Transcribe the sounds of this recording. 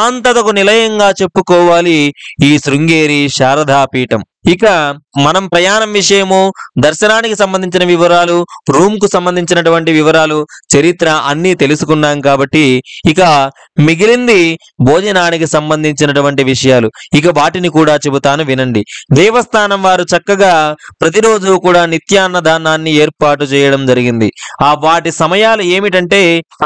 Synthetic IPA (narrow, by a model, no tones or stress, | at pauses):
aːnt̪ɐt̪ɐkunilɐjɐŋɡaːt͡ʃe̞pːukɔːʋaːliiːsɾuŋɡeːɾiʃaːɾɐd̪ʱaːpiːʈɐm | ikɐmɐnɐmpɾɐjaːnɐmʋiʂɐjɐmud̪ɐɾʃɐnaːnikisɐmbɐnd̪iɲt͡ʃinɐʋiʋɐɾaːluɾuːmkusɐmbɐnd̪ʱiɲt͡ʃinɐʈuʋɐɳʈiʋiʋɐɾaːlut͡ʃɐɾit̪ɾɐɐnːiːt̪e̞lusukuɳɖaːnkaːbɐʈːiːkɐ | miɡilind̪i | bʱo̞ːd͡ʒɐnaːnikisɐmbɐnd̪ʱiɲt͡ʃinɐʈuʋɐɳʈiʋiʂɐjaːluik̬ɐʋaːʈinikuːɽaːt͡ʃe̞but̪aːnuʋinɐɳɖid̪ɛːʋɐst̪ʰaːnɐmʋaːɾut͡ʃɐkːɐɡaːpɾɐt̪̬iɾo̞ːd͡ʒuːkuːɽaːnit̪jaːnːɐd̪ʱaːnːaːnːieːɾpaːʈut͡ʃɛːjɐɽɐmd͡ʒɐɾiɡind̪ḭaːʋaːʈisɐmɐjaːlue̞ːmiʈɐɳʈe̞ː